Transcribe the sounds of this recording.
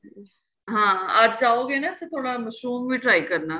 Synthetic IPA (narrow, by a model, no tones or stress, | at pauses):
ɦãːəɾd͡ʒaːoɡenat̪et̪ʰoːɽamɐʃɾuːmbiʈɾaːikɐɾnaː